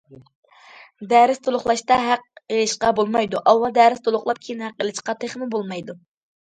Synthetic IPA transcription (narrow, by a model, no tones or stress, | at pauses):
d̪æɾɪst̪ʰolˠʊχlˠɑʃt̪ɑɦæq̚elɪʃqɑbolˠmɑjd̪uʔɑwːɑlˠd̪æːɾɪst̪ʰolˠʊχlˠɑp̚kʲʰiinhæqːelɪʃqɑt̪ʰeχmɪbolˠmɑjd̪u